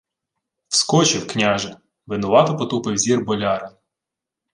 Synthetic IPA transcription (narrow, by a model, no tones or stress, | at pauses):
wskɔt͡ʃɪwknʲaʒɐ | ʋɪnʊʋɑt̪ɔpɔt̪upɪwzʲirbɔlʲɑɾɐn